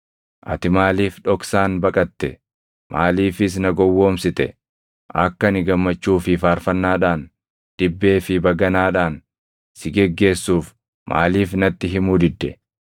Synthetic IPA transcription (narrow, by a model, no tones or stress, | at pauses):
ʔɐ̰t̪ɪmaːliːfᶑɔksaːnbɐkʼɐt̪ːɛ | mʔaːliːfɪs̬nɐɡɔwːo̞ːmsɪt̪ɛ̰ | ʔɐkːɐnɪɡɐmːɐt͡ʃːuːfɪfaːɾfɐnːaːᶑaːn | d̪̥ɪbːe̞ːfɪbɐɡɐnaːᶑaːn | sɪɡɛɡːe̞ːsːuːf | mʔa̰ːliːfnɐt̪ːɪɦɪmuːd̪ɪd̪ːɛ